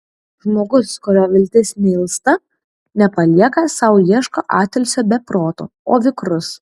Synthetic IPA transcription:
ʒmoːɡʊskʊɾʲoːʋʲɪlʲt̪ʲɪsʲnʲɛɪlˠst̪ɐ | nʲɛpɐlʲiɛkɐsɐʊjiɛʃkoʔɑːt̪ʲɛlʲsʲoːbʲɛpɾoːt̪o̰ːoːʋʲɪkɾʊs

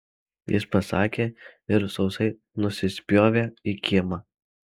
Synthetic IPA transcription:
jɪ̰spɐsɑːkʲeːɪɾsɒʊsɐɪ | nʊsʲɪsʲpʲjoːʋʲeːikʲɪmɐ

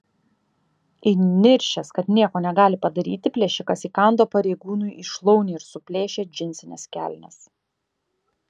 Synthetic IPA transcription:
inʲɪɾʲʃʲɛskɐt̪nʲiɛkoːnʲɛɡɑːlʲɪpɐd̪ɐɾʲiːt̪ʲɪpʲlʲɛʃʲɪkɐsiːkɑˑnd̪oːpɐɾʲɛɪɡuːnʊjɪʃlˠɔʊnʲeːɪɾsʊpʲlʲeːʃʲeːd͡ʒʲɪnʲsʲɪnʲɛ̰skʲæ̰lʲnʲɛ̰s

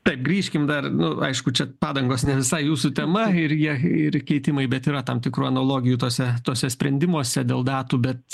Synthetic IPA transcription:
t̪ɐɪpɡɾʲiːʃʲkʲɪmd̪ɐrnʊɐ̰ɪʃkʊt͡ʃʲɛpɑːd̪ɐŋɡoːsnʲɛʋʲɪsɐɪjuːsʊt̪ʲɛmɐɪɾjiɛɪrkʲɛɪt̪ʲɪmɐɪbʲɛt̪iːɾɐt̪ɐmt̪ʲɪkɾuːɐnoːlˠoːɡʲɪjuːt̪oɔsʲɛt̪oːsʲɛsʲpʲɾʲɛnʲd̪ʲɪmuɔsʲɛd̪ʲeːlˠd̪ɑːt̪uːbʲɛt̪

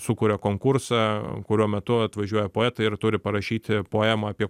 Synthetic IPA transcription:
sʊkʊːɾʲɛkoːŋkʊrsɑkʊɾʲuɔmʲɛt̪ʊɐt̪ʋɐʒʲuɔjɛpoːɛːt̪ɐɪrt̪ʊɾʲɪpɐɾɐʃʲiːt̪ʲɪpoːɛmɐɑːpʲiɛ

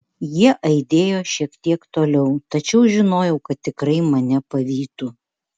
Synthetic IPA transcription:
jiɛʔɐɪd̪ʲeːjoːʃʲiɛkt̪ʲiɛkt̪oːlʲɛʊt̪ɐt͡ʃʲɛʊʒʲɪnoːjɛʊkɐt̪ʲːɪkɾɐɪmɐnʲɛpɐʋʲiːt̪u

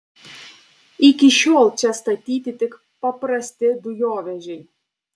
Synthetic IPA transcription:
ikʲiʃɔlˠt͡ʃʲɛst̪ɐt̪ʲit̪ʲit̪ɪk | pɔpɾɐsʲt̪ɪd̪ʊjɔʋʲɛʒʲɛj

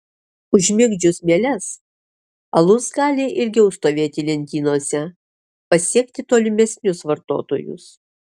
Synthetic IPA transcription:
ʊʒʲmʲɪɡd͡ʒʲʊsmʲeɛlʲɛs | ɐlˠʊsɡɑːlʲɪʔɪlʲɡʲɛʊst̪oːʋʲeːt̪ʲɪlʲɛnʲt̪ʲiːnoɔːsʲɛ | pɐsʲiɛkt̪ʲɪt̪oːlʲɪmʲɛsʲnʲʊsʋɐɾt̪o̰ːt̪o̰ːjʊ̰s

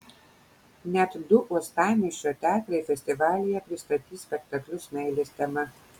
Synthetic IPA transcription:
nʲɛt̪d̪ʊʔuɔst̪ɑːmʲiʃʲot̪ʲæːt̪ɾɐɪfʲɛsʲt̪ʲɪʋɑːlʲɪjɛpʲɾʲɪst̪ɐt̪ʲiːsʲpʲɛkt̪ɐklʲʊsmʲɛɪlʲesʲt̪ʲɛmɐ

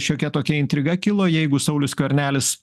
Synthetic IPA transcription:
ʃʲoːkʲɛt̪oːkʲɛɪnt̪ʲɾʲɪɡɐkʲɪlˠoːjɛɪɡʊsɐʊlʲʊskʲoːɾʲnʲæːlʲɪs

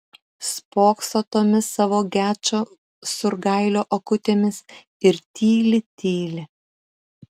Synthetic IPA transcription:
spoːksot̪oːmʲɪsɑːʋoːɡʲæːt͡ʃʲoː | sʊɾɡɐɪlʲoːʔɐkʊt̪ʲeːmʲɪs | ɪɾt̪ʲiːlʲɪt̪ʲiːlʲɪ

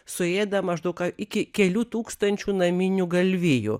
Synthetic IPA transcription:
sʊeːd̪ɐmɐʒd̪ɐʊkɐɪkʲɪkʲɛlʲuːt̪uːkst̪ɐnʲt͡ʃʲuːnɐmʲinʲuɡɐlʲʋʲɪjṵ

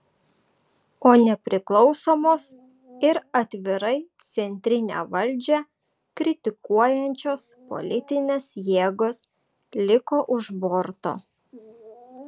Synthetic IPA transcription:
oːnʲɛpʲɾʲɪklˠɒʊsoːmoːs | ɪɾɐt̪ʲʋʲɪɾɐɪt̪sʲɛnʲt̪ʲɾʲɪnʲḛːʋɐlʲˑd͡ʒʲɛ | kɾʲɪt̪ʲɪkuɔjɛnʲt͡ʃʲoːspo̰lʲɪt̪ʲɪnʲeːsjeːɡoːs | lʲɪkoːʔʊʒbɔɾt̪o̰ː

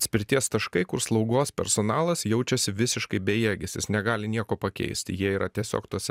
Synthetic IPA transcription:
sʲpʲɪɾʲt̪ʲiɛst̪ɐʃkɐɪkʊɾslˠɒʊɡoːspʲɛ̰ɾsoːnɑːlˠɐsjɛʊt͡ʃʲɛsʲɪʋʲɪsʲɪʃkɐɪbʲɛjeːɡʲɛsʲɪsnʲɛɡɑːlʲɪnʲiɛkoːpɐkʲɛ̰ɪsʲt̪ʲɪjiɛiːɾʔɐt̪ʲiɛsʲo̰ːkt̪uɔsʲɛ

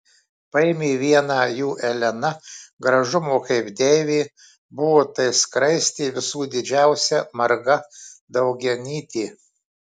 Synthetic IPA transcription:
pɐɪːmʲiːʋʲiɛnɑːjuːʔɛlʲɛnɐɡɾɐʒʊmoːkɐɪpd̪ʲeːʋʲiː | bʊʋoːt̪ɐɪskɾɐɪsʲt̪ʲiːʋʲɪsuːd̪ʲɪd͡ʒʲæˑʊsʲɛmɐɾɡɐd̪ɐʊɡʲɛnʲiːt̪ʲiː

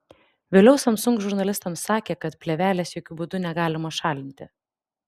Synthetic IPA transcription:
ʋʲelʲɛʊsɐmsʊ̃ŋksʒʊɾnɐlʲɪst̪ɐmsːɑːkʲeːkɐt̪pʲlʲɛʋʲæːlʲɛsjoːkʲʊbʊd̪ʊnʲɛɡɑːlʲɪmɐʃɑːlʲɪnʲt̪ʲɪ

